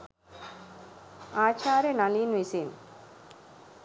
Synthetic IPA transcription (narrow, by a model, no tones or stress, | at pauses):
aːt͡ʃaːɾɐnɐlinʋisiːn